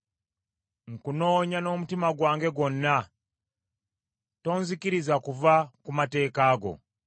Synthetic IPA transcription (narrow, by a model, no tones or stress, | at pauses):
ŋ̩kuno̞ːɲano̞mutimaɡwaːŋɡe̞ɡo̞nːa | to̞ːnzikiɾizakuvakumate̞ːkaːɡo̞̰